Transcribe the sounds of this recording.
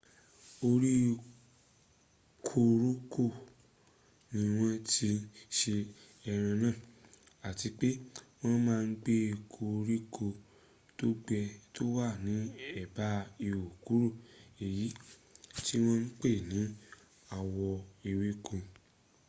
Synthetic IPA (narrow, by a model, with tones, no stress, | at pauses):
o˧ɾi˦ | kʰo˧ɾu˦kʰo˦˨ | nĩ˧w̃ɔ̃˧ti˧ʃe˧ | ɛ˧ɾ̃ã˧nãː˦˨ | a˨ti˧k͡pe˦w̃ɔ̃˦mãː˦˧n̩˦ɡ͡be˦˧kʰo˧ɾi˦kʰo˧ | to˦ɡ͡bɛ˧to˦wa˦˨nĩ˨˦ɛ˦˨ba˨˦i˧o˨ku˨˦ɾu˦˨e˨ji˨˦ti˦w̃ɔ̃˦n̩˦k͡pe˦˨nĩ˨˦ | a˧wɔ˧i˧wi˦kũ˧